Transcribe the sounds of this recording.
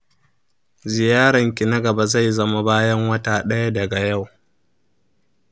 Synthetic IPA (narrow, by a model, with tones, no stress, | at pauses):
zɪ˨jaː˦ɽɐ˨ŋkʲi˨nɐ˦ɡɐ˨ba˨za˦˨jzɐ˦ma˦baː˦jɐ˦ŋwɐ˦taː˨ɗɐ˦ja˦dɐ˨ɡa˨ja˦˨w